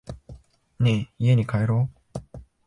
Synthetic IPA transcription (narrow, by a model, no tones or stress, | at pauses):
ɲeieɲ̟ikaeɾo